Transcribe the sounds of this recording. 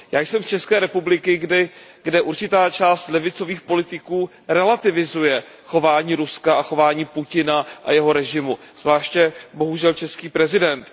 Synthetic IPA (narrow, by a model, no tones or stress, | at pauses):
jaːjsɛmst͡ʃɛskɛːɾɛpublɪkɪɡdɪɡdɛʔuɾt͡ʃɪt̪aːt͡ʃaːst̪lɛvɪt͡so̞viːxpo̞lɪt̪ɪkuː | ɾɛlat̪ɪvɪzujɛ | xo̞vaːɲiːɾuskaaxo̞vaːɲiːpucɪnaʔa̰jɛɦo̞ɾɛʒɪmu | z̥vlaːʃcɛbo̞ɦuʒɛlt͡ʃɛskiːpɾɛzɪdɛnt̪